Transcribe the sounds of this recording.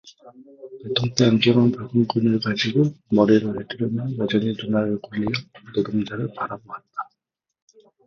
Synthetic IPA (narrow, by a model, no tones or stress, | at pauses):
netʰoŋt͈eamd͡ʑʌŋɯnpaɭɡɯmkɯnɯɭkad͡ʑiɡomʌɾiɾoɦedɯɾjʌmjʌnjad͡ʑʌɲinunaɾɯɭkuʎːijʌnɯɡɯmd͡ʑaɾɯɭpaɾaboɦat̚t͈ḁ